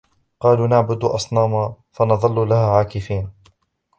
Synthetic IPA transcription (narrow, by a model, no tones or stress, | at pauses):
qɑːluːnaʕbʊd̪ʔɑ̰sˤnɑːmaː | fɑnɑðˤɑlːlahaːʕaːkɪfiːn